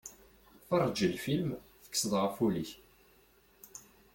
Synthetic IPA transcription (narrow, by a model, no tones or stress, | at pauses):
θɑrˤːd͡ʒəlfilmθə̥kːsəðˤʁəfuliç